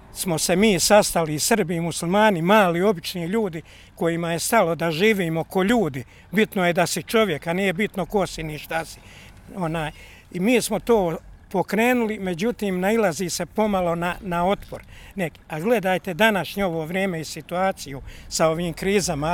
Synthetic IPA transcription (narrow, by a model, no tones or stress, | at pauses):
smo̞se̞miːsast̪aliːsr̩bimusulʲmaːnimaːlio̞bit͡ʃniːʎuːd̪i | ko̞jimaje̞st̪alo̞d̪aʒiːʋiːmo̞ko̞ʎuːd̪i | bit̪noje̞d̪asit͡ʃo̞ʋje̞kaniːjebit̪no̞ko̞siniʃt̪asi̥ | o̞naːj | imiːsmo̞t̪o̞ːpo̞kɾe̞ːnulime̞d͡ʑut̪iːmnailˠaziːse̞po̞malo̞nanao̞t̪po̰ɾnekaɡle̞d̪aːjt̪e̞d̪anaʃɲeo̞ʋo̞ːʋɾjeːme̞isit̪uaːt̪sijusao̞ʋiːmkɾiːzama